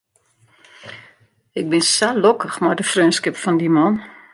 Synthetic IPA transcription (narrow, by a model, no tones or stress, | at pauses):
ɪk̚bɪnsalokəxmadəfrøːnskɪpfɔndimɔn